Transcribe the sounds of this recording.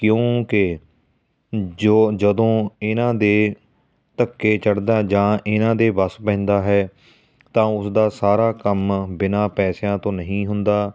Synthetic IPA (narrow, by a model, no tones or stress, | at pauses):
kjõːkɪ | d͡ʒoːd͡ʒəd̪õːɪnãːd̪eː | t̪əkːeːt͡ʃəɽd̪aːd͡ʒãːʔɪnãːd̪eːbəspɛ̃ːnd̪aːɦɛː | t̪ãːʊsd̪aːsaːɾaːkəmbɪnaːpɛːsjãːt̪õːnəɦĩːɦʊnd̪aː